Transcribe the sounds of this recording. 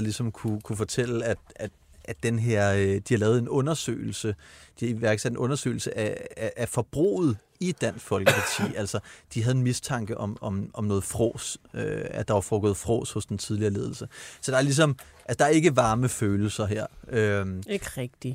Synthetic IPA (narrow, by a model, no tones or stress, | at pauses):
lisɒ̽mkʰukʰufɒ̽t͡sʰel̰əæ̥æ̥ | æd̥enɦe̝ɐ̰d̥ihɑlɛːðˠe̝nɔ̽nɐsø̰ːɪl̩səd̥iiʋæɐɡ̥sæd̥e̝nʔɔ̽nɐsø̰ːl̩səʔæʔːfɒ̽b̥ʁo̝̰ːð̞̩ˠ | id̥æn̰sfɒ̽lɡ̥əpʰɑ̈t͡sʰḭːæl̰sɐd̥iɦæðˠe̝nmist͡sʰɑ̈ŋ̰ɡ̥əʔɒ̽mɒ̽mʔɒ̽mnɔ̽ːð̩ˠfʁɔ̰ːsøæd̥ɑ̈ʋɑ̈fɔːɡ̥ɔð̩ˠfʁɔ̰ːshɔ̽sd̥ent͡sʰið̞ˠliɐːle̝ːð̞ˠl̩səsɒ̽d̥ɑæɐlis̬ɒ̽mʔælsə̥d̥ɑæɐe̝ɡ̥əʋɑ̈ːməføːl̩sɐɦeɐ̰ømɡ̥ʁɛɡ̥̚d̥i